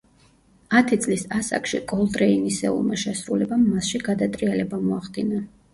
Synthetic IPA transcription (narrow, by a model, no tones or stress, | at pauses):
at̪ʰit̪sʼlisasa̰kʃḭkʼɔlˠd̪ʼɾɛinisɛ̰ṵlˠmaʃɛsɾulɛbamːasʃiɡad̪at̪ʼɾialɛbamɔaχd̪ina